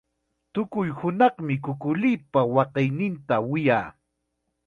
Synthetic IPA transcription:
t̪ʊkʊjhʊnɑχmɪkʊkʊlijpawɑqɪjnɪnt̪awɪjaː

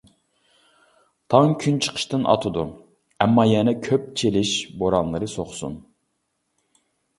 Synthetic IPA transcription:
t̪ʰɑŋkʲʰynt͡ʃʰə̥qʰə̥ʃt̪ɨnʔɑ̰t̪ʰɨd̪u | ɛmːɑjɛnɛkʲʰøp̚t͡ʃʰelɪʃboɾɑnlˠɨɾɨsoχsṵn

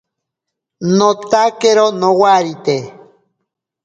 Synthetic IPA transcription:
not̪akeɾonowaɾit̪e

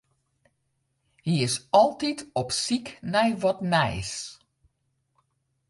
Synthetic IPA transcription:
hiɪsɔlˠtitʰɔpsiknɛjʋɔtnɛjs

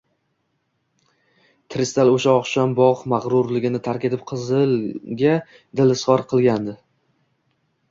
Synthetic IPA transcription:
t̪ʰɪɾɪst̪aloʃaɒqʃɒmbɒʁmaʁɾʊɾlɪɡʲɪnɪt̪ʰaɾkʲe̞t̪ɪp̚qʰɨzɨlɡʲa | d̪ɪlɪsʁɒɾqʰɨlˠɡʲand̪ɪ

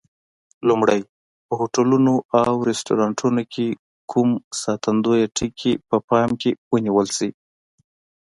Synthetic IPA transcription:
lumɽaj | pəhoʈalunoʔawɾestoɾɑɳʈʰunokʰe | kʰumsɑt̪and̪ojaʈikʰepəpɑmkewəniwəlsi

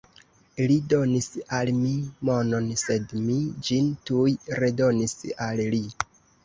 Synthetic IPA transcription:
lido̞nisalmimo̞no̞nse̞dmid͡ʒintujɾedo̞nisalli

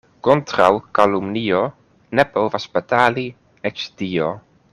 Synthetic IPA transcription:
kontɾawkalumnio | nepovaspetali | et͡ʃdio

